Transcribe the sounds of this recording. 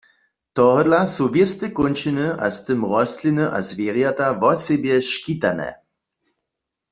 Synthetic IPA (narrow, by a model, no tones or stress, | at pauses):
t̪ɔɦɔdlasuvɪst̪ɛkont͡ʃinɨʔa̰st̪ɨmʁɔst̪linɨʔa̰zvjeːʁjat̪avɔsɛbjɛʃkit̪anɛ̰